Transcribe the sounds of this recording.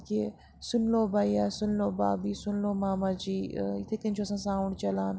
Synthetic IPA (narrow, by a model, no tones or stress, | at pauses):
ke | sʊnloːbaːiaːsʊnloːbaːbiːsʊnloːmaːmãːd͡ʒiːɪt̪ʰet̪int͡ʃʰoɐsãːsãːuɳɖt͡ʃɐlaːn